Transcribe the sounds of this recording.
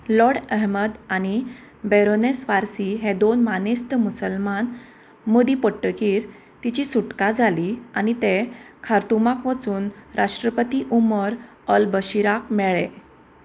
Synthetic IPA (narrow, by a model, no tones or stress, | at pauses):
lɔɽɛɦməd̪añi | beɾonesʋaɾsiɦed̪onmanest̪musəlman | mod̪ipəʈːəkiːɾ | t̪it͡ɕisuʈkad͡zʱaliañit̪ekʰaɾt̪umakʋət͡suːnɾʔaʂʈɾəpət̪iʔuməɾ | əlbəɕiɾakmɛɭe